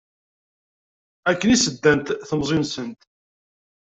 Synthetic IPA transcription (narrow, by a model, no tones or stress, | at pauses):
ækːənisəd̪ːænt̪θəmzˤunsənt̪